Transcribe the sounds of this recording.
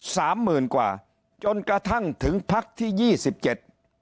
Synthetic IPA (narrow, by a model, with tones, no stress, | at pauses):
saː˩˦mːɯː˨˩nkwaː˨˩ | t͡ɕo˧nkɾa˧t̪ʰa˥˩ŋt̪ʰɯ˨˩˦ŋpʰa˦˥k̚t̪ʰiː˥˩jiː˧˥˩si˨˩p̚t͡ɕe˨˩t̪̚